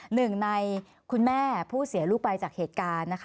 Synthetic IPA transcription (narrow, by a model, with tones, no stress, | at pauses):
nɯ˨˩ŋna˧j | kʰu˧nmɛː˥˩pʰuː˥˩si˨˩˦luː˦˥˩k̚ba˧jt͡ɕaː˨˩k̚heː˨˩t̪̚kaː˧nːa˦˥kʰ